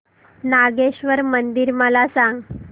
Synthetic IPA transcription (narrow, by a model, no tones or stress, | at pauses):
naɡeɕʋəɾmənd̪iɾməlasãŋɡ